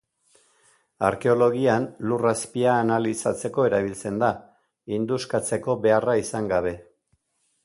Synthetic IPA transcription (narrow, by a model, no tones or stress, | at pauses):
aɾke̞o̞lo̞ɣ̞ianluraspiaːnalisat͡se̞ko̞e̞ɾaβilt͡se̞nd̪a | ind̪uskat͡se̞ko̞βe̞araisaŋɡaβ̞e̞